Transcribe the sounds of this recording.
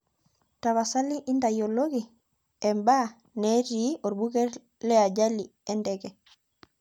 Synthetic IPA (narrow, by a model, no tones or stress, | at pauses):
taβasaliʔindajoloɡi | ɛmba | neɾioɾbukɛɾ | lɛaɟali | ɛndɛkɛ